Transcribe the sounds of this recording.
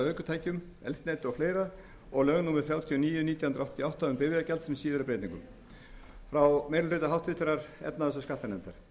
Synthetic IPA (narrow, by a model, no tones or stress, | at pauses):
œːkʏt̪ʰaːjcʏm | ɛ̰lst̪neːjt̪ɔfleːjɾa | ɔɣlœɣnuːmɪɾθjawt̪ʰiɔniːjʏniːt̪jahʏnɾaawht̪ʰːiawht̪aʏmpɪːvɪacɛlt̪sɛmsiːðʏɾʏpɾejt̪iŋkʏm | fɾawmejɾɪlrʏːt̪aɦawht̪ʰvɪt̪ɪɾaɾ̥ɛ̰pnaðɛsʏskat̪anɛmt̪aɾ̥